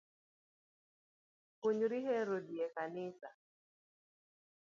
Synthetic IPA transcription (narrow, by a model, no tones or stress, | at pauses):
kʊɲɾiɦɛɾodiɛkanɪsa̰